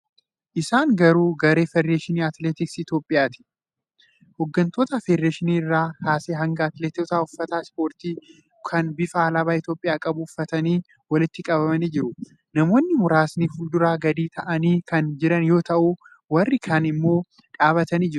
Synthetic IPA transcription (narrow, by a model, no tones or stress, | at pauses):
ʔɪsaːŋɡɐɾuːɡɐɾe̞ːfɛɾeːʃɪniːɐt̪leːt̪ɪksɪt̪jo̞ːpʼːɪjaːt̪ɪ̥ | hɔɡːɐnt̪o̞ːt̪ɐfeɾːeːʃɪniːrːaːhaːseːɦɐŋɡɐːt̪leːt̪oːt̪aːʊfːɐt̪aːspo̞ːɾt̪iː | kʰɐnbɪfaːlɐbaːɪt̪jo̞ːpʼːɪjaːkʼɐbʊʊfːɐt̪ɐniː | wɐlɪt̪ːɪkʼɐbɐmɐniːd͡ʒɪɾʊ | nɐmo̞ːnːɪmʊɾaːsniːfʊld̪ʊɾaːɡɐd̪iːt̪ʰɐʔɐniːkɐnd͡ʒɪɾɐnjo̞ːt̪ɐʔu | wɐrːɪkʰɐnɪmːo̞ː | ᶑʼaːβɐt̪ɐniːd͡ʒɪɾʊ